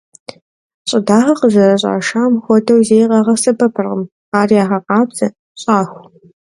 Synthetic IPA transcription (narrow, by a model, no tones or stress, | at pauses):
ɕʼɪdaːʁɐqəʑɐrɐɕʼa̰ːʂaːmxʷɔdʰɐwzeːjqɐʁɐsɐbɐpʰɨrʁəm | aːrijaːʁɐqɑːbt͡sɐ | ɕʼaːxʷ